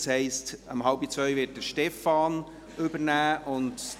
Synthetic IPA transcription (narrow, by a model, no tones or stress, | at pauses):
shɛɪstəmɦɑlbit͡svœʏvɪːt̚dəʃtɛfɑːn | ɵbənæːʔʊnd